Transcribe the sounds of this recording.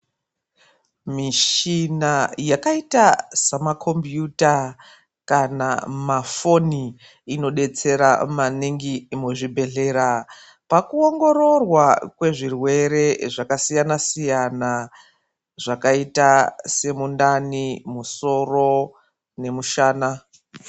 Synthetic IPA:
miʃinajakaitasamakʰo̞mbjuta | kanamafo̞ni | ino̞ɗe̞t͡se̞ɾamaniŋɡimuʐibʱe̞ɮe̞ːɾa | pakuo̞ŋɡo̞ɾo̞rwakwe̞ʐirwe̞ɾe̞ʐakasijanasijana | ʐ̥akaitase̞mundanimuso̞ro̞ | ne̞muʃaːna

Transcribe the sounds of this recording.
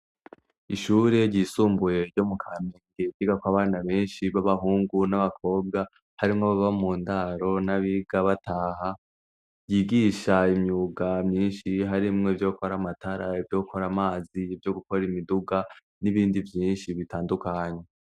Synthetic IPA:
iʃuːɾe̞ɾɟiːsuːmbuje̞ɾɟo̞mukʰaːmeŋɡe̞iɡakwaβaːnaβe̞ːnʃiβaβahuːŋɡunaβakʰo̞ːb̚ɡa | haɾimŋoβaβamuːndaɾo̞naβiɡaβataːɦa | jiɡiːʃaimɲuːɡamɲiːnʃiɦaɾimŋevjo̞ːko̞ɾamataɾaivjo̞ːko̞ɾamaːzivjo̞ɡuko̞ɾimiduɡa | niβiːndivjiːnʃiβitaːndukaːɲe

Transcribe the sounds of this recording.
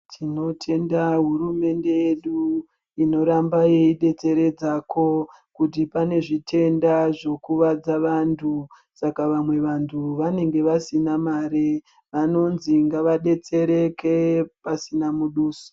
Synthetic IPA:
tʰino̞tʰe̞ndaɦuɾume̞nde̞je̞ɗu | ino̞ɾambajeiɗe̞t͡se̞ɾe̞d͡zako̞ | kutipane̞ʐitʰe̞ndaʐo̞kuʋad͡zaʋantʰu | sakaʋamwe̞ʋantʰuʋane̞ŋɡe̞ʋasinamaɾe | ʋano̞nziŋɡaʋaɗe̞t͡se̞ɾe̞kepasinamuɗuːso̥

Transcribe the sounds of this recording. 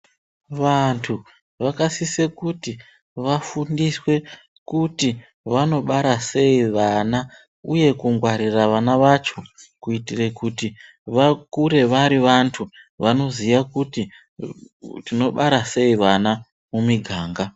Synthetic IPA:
ʋantʰu | ʋakasisekuti | ʋafundiswe̞ | kuti | ʋano̞ɓaɾase̞iʋana | uje̞kuŋɡwaɾiraʋanaʋat͡ʃo̞kuitire̞kuti | ʋakuɾe̞ʋaɾiʋantʰu | ʋano̞zijakuti | tino̞ɓaɾase̞iʋana | mumiɡʱaːŋɡa

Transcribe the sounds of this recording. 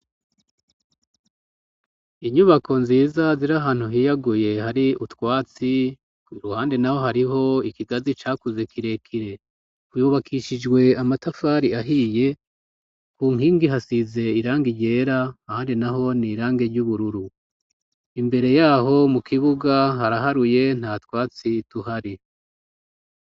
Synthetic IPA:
iɲuβakʰo̞nziːzaziɾaɦaːn̥huɦiːjaɡuje̞haɾiutwaːt͡si | kuiɾuhaːndenaho̞ɦaɾiɦo̞ikiɡazit͡ʃaːkuze̞kiɾe̞kʰiɾe̞ | kujuβakʰiʃid͡ʒɡwe̞amatafaːɾiaɦiːje̞ | kuːŋhiːŋɡiɦasize̞iɾaːŋɡiɟe̞ːɾaːhaːndinaɦo̞niːɾaːŋɡe̞ɾɟuːβuɾuɾu | imbe̞ɾe̞jaːɦo̞mukʰiβuɡaɦaɾaɦaɾuje̞n̥haːtkwaːt͡situhaɾi

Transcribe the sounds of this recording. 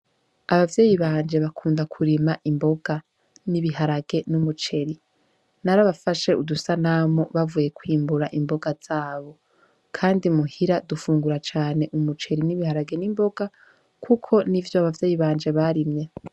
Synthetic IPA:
aβavje̞ːjiβaːnd͡ʒe̞βakʰuːndakʰuɾimaʔimbo̞ɡa | niβiɦaɾaɡe̞numut͡ʃe̞ɾi | naɾaβafaʃe̞udusanamoβavuːje̞kwiːmbuɾaʔimbo̞ɡaz̥aːβo̞ | kʰaːndimuhiɾadufuːŋɡuɾat͡ʃaːne̞ʔumut͡ʃe̞ɾiniβihaɾaɡe̞nimbo̞ɡ̥a | kʰukʰo̞nivjoaβavje̞ːjiβaːnd͡ʒe̞βaɾimɲe

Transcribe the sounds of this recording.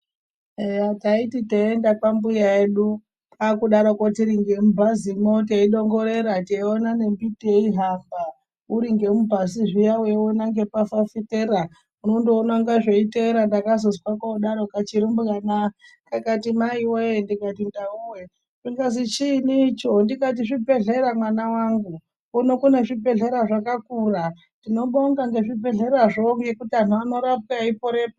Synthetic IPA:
eataititeendapambujae̞ɗu | pʰakuɗaɾokotiɾiŋɡe̞mubʱazimoteiɗo̞ŋɡo̞ɾeɾateonane̞mbitieiɦamba | uɾiŋɡe̞mubʱasiʐijawewonaŋɡe̞pafafiteɾa | unondoːnaŋɡaʐeiteɾandakazozwakauɗaɾokat͡ʃiɾimbɣanakakatimaiwendikatindauwe | ʐiŋɡazit͡ʃinit͡ʃondikat̬iʐibʱe̞ɮe̞ɾamwanawaŋɡu | kunokuneʐibʱe̞ɮe̞ɾaʐakakura | tdino̞ɓoŋɡaŋɡe̞ʐibʱe̞ɮe̞ɾaʐoŋɡe̞kutian̤uano̞ɾap̚kaipoɾe̞ːpa

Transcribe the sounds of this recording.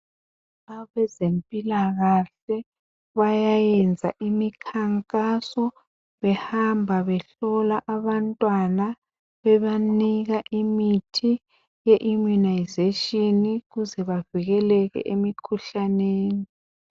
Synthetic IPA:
aβɛzempʼilaɣaɬɛ | βajajɛnd͡zʱa̰ʔimikʰaŋkʼasɔ | βɛhambʱaβɛɬɔlaʔaβantʼwana | βɛβaniɣaʔimitʰi | jɛʔumunajzeʃiniɣuzɛβaviɣɛlɛɣɛ̰ʔemikʰuɬaneːni

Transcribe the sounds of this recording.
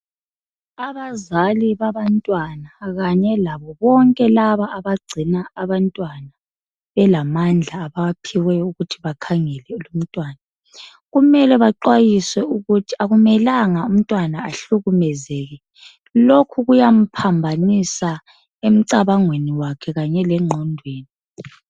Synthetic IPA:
aβazaliβaβantʼwanaɣaɲɛlaβɔβɔŋkʼɛlaβaʔːβaɡ͡ǀʱinaːβantʼwana | βɛlamand͡ɮʱaːβapʰiwɛuɣutʰiβakʰaŋɛlɛlum̩tʼwaːna | ɣumɛlɛβaǃwajiswɛuɣutʰiaɣumɛlaŋaum̩tʼwanaːɬuɣumɛzɛɣɛ | lokʰuɣujam̩pʰambʱanisa | em̩ǀaβaŋweniwakʰɛɣaɲɛlɛŋ͡ǃʱɔndʱweːni

